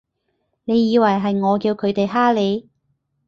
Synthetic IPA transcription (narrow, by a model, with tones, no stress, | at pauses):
ne˨˧jːiː˨˧wɐ˨˩jɦɐ˨jŋɔː˨˧kiː˧wkʰɵ˨˧ɥt̪e˨jɦaː˥le˨˧j